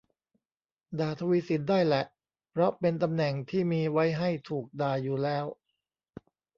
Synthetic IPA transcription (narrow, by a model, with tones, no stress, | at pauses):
daː˨˩t̪ʰa˧wi˦˥si˨˩t̪̚daː˥˩jlɛ˨˩ʔ | pʰɾɔ˦˥pe˧nt̪a˧mnɛ˨˩ŋt̪ʰiː˥˩miː˧wa˦˥jɦa˥˩jt̪ʰuː˨˩k̚daː˧juː˨˩lɛː˦˥w